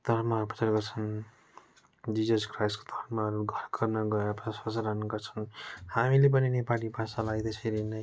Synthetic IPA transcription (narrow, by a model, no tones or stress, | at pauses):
t̪ʌɾmapʌ̥t͡saɾɡʌrt͡sʰʌn | d͡zid͡zʌskrajsko̥d̪ʱʌrmaʌɾuɡʱʌrkʌrnʌɡʌɾpʌt͡sasʌsaɾanʌɡʌrt͡sʰʌ̥nhamilep̬ʌninepalipasalaɡd̪ʌsʰeɾinʌj